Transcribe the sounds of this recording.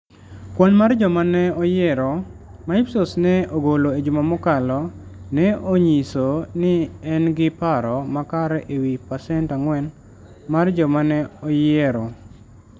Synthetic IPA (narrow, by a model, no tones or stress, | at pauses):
kwɔnmard͡ʒɔmanɛɔjɛɾɔ | maipsosnɛoɡoloed͡ʒumamɔkalɔnɛoɲisonɪɛnɡɪpaɾɔmakaɾɛʔewipasɛntaŋwɛn | mard͡ʒɔmanɛɔjɛɾɔ